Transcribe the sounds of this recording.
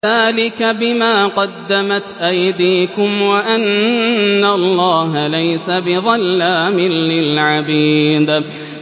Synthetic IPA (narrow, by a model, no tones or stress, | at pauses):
ðaːlɪkabɪmaːqɑd̪ːamat̪ʔajd̪iːkʊmwaʔanː | alˤːɑːɦalajsabɪðˤɑlːaːmɪlːɪlʕabiːd̪